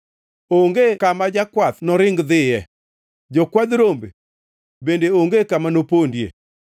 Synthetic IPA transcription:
oŋɡekamad͡ʒakwat̪nɔɾɪŋɡðɪjɛ | d͡ʒɔkwad̪ɾombe | bendeoŋɡekamanopondjḛ

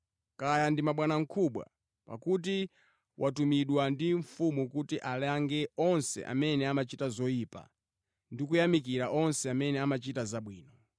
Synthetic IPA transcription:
kajandimaɓwanaŋ̩kʰuɓwa̰ | pa̰kut̬i | wʔatumiɗwandiɱfumukutiʔalaŋɡɛɔnsɛ̰ʔa̰mɛnɛamat͡ʃitazɔiːpa̰ | ndikujamik̬iɾaʔɔnsɛamɛnɛamat͡ʃitazaɓwiːnɔ

